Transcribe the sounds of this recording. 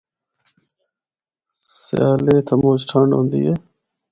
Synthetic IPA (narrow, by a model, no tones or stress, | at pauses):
sjaːleːt̪ʰəmoːsʈʰaːɳɖɦõ̰ːnd̪ḭːeː